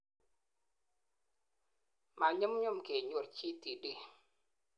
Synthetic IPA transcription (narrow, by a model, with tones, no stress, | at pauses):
ma˨ɲə˦mɲʊ˦˨mke˨ɲo˦˨rt͡ʃi˦ti˨di˦